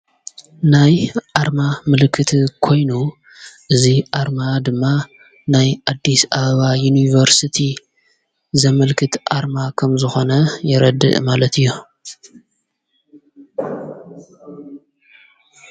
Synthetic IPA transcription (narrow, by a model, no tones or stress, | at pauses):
najʔaɾmamɨlkʰːɨt̪ʰikʰo̞jnu | ʔɨziʔaɾmad̪ɨmːa | najʔad̪ːisʔaβɐβajunivɐɾsɨt̪ʰi | zɐmɐlkʰɨt̪ʔa̰ɾmakʰɐmzɨxo̞nɐjɛɾɐd̪ɨ̰ʔmalɐt̪ʰɨjːu